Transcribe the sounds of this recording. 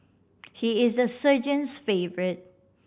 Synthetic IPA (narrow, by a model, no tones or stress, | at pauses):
hiɪzəsəd͡ʒə̃nsfevəɹɪt̚